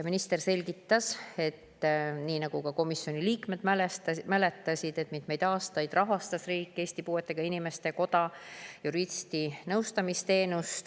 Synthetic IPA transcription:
jɑminist̪e̞rse̞lʲɡit̪ːɑse̞t̪ːniːnɑɡ̥ukɑko̞misːjo̞niliːkme̞d̪mælet̪mæle̞t̪ːˑɑsʲid̪̥e̞t̪ːmid̪̥me̞jd̪̥ɑːst̪ɑjd̪̥rɑɦɑst̪ɑsriːkˑːe̞ːsʲt̪ipuːe̞t̪ːˑe̞ɡ̥ɑinime̞st̪e̞ko̞d̪̥ɑjuɾist̪inɤwst̪ɑmist̪e̞ːnust̪

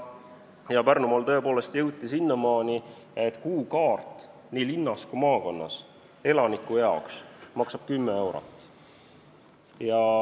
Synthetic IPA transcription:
jɑpærnumolt̪ɤ̞e̞po̞ːle̞st̪jɤwt̪ːˑisinːɑmɑːni | e̞t̪ːˑkuːkɑːrt̪ˑ | niːlinːɑskumɑːko̞nːɑ̰s | e̞lɑnikːˑujɑoksmɑksɑb̥kymːee̞wɾo̰t̪ːˑ | jɑ

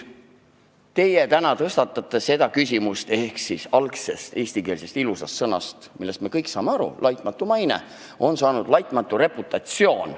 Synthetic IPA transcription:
t̪e̞jet̪ænɑt̪ɤst̪ɑt̪ːˑɑt̪ːˑese̞d̪ɑkys̬ʲimust̪e̞hksisɑlkse̞st̪e̞ːsʲt̪ike̞ːlse̞st̪ilusɑst̪sɤnɑ̰st̪milːe̞st̪mekɤjksɑ̰ːme̞ɑɾṵlʔɑjt̪ˑmɑt̪ːˑumɑjnḛ | o̞nsɑːnud̪̥lɑjt̪ˑmɑt̪ˑːure̞put̪ːˑɑt̪sio̞ːn

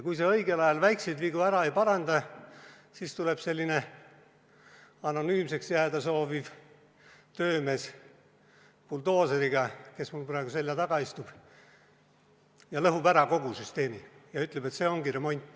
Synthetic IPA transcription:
kujse̞ɤjɡ̥e̞lɑjɑlvæjksed̪viɡ̥uæɾɑejpɑɾɑnd̪ɑ | sist̪ule̞b̥se̞lʲːine̞ | ɑno̞nyːmse̞ksjæːd̪ɑso̞ːviv | t̪ø̞ːme̞ːs | puld̪o̞ːseɾiɡ̥ɑke̞smulpɾɑˑeɡ̥uselːɑt̪ɑɡ̥ɑist̪ub̥ | jɑlɤɦubæɾɑko̞ɡ̥usyst̪e̞ːmijɑyt̪ːˑlebe̞t̪se̞ːo̞ŋɡiɾe̞mo̞nʲt̪ːˑ

